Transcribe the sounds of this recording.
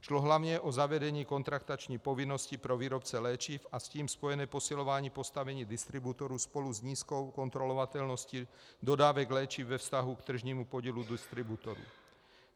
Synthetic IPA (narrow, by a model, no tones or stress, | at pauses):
ʃlɔɦlaʊɲɛʔɔzaʋɛdɛɲiːkɔnt̪ɾakt̪at͡ʃɲipɔʋinːɔscipɾɔʋiːɾɔpt͡sɛlɛːt͡ʃiːfasciːmspɔjɛnɛːpɔsilɔʋaːɲiːpɔst̪aʋɛɲiːd̪ist̪ɾibut̪ɔɾuspɔluzɲiːskɔkɔnt̪ɾɔlɔʋat̪ɛlnɔsci | d̪ɔd̪aːʋɛɡlɛːt͡ʃiːvʋɛfst̪aɦukt̪r̩ʒɲiːmupɔɟilud̪ist̪ɾibut̪ɔɾṵ